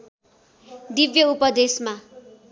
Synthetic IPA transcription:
d̪ibjʌupʌd̪esma

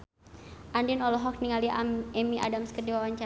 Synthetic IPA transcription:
ʔandinɔlɔɦɔk̚niŋaliɛmiʔa̰damskərdiwawaɲt͡ʃa

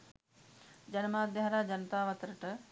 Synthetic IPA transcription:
d͡ʒɐnəmaːd̪jaɦaɾaːd͡ʒɐnət̪aːʋɐt̪ɾəʈə

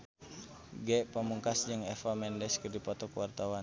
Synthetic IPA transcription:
ɡɛʔpəmuŋkasd͡ʒəŋɛfamɛndɛskərdipɔt̪ɔkəwart̪awan

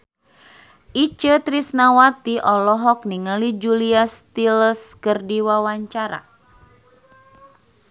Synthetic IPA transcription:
ʔit͡ʃət̪ɾisnawat̪iʔɔlɔɦɔk̚niŋəlid͡ʒuliast̪iləskərdiwawaɲt͡ʃaɾa̰

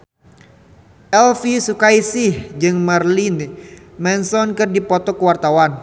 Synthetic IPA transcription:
ʔɛlfisukaisihd͡ʒɨŋmarlin | mɛnsɔnkɨrdipɔt̪ɔkəwart̪awan

